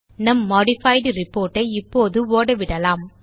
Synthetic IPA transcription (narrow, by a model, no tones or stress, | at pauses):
nɐmːɔːɽɪfɐɪɖɯɾɪpːoːɾʈːɐɪɪpːoːðɯoːɽɐʋɪɽɐlaːm